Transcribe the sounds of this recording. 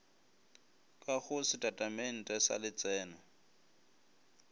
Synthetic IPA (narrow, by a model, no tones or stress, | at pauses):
kʼaɣʊsɪtʼatʼamen̩tʼɛsa̰lɪt͡sʼɛːna